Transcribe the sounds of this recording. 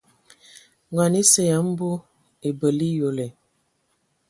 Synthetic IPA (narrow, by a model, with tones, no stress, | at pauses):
ŋɔ˨ni˦se˨ja˨m̩˦bu˦ | e˨bə˨li˦jo˨le˨